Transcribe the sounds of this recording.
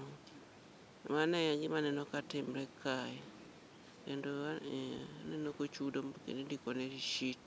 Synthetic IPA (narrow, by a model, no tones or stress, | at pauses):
manɛd͡ʒimanɛnɔkatimɾɛkʰajɛ | ɛndo | anɛnokot͡ʃudomkḛnidikɔneɾiʃit